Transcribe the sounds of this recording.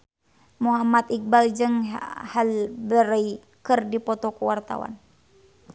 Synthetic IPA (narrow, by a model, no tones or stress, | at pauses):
muɦamat̪ik̚bald͡ʒɨŋhalbəɾəi | kɨrdipɔt̪ɔkuwart̪a̰wa̰n